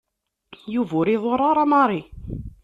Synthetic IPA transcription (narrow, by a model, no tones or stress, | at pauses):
juvʊɾiðˤoɾˤaɾˤamɑɾˤi